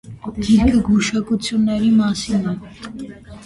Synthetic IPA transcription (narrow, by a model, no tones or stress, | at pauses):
d̪̥iɾkʰəɡuʃɑkut͡sʰjunːɛɾimɑsinɛ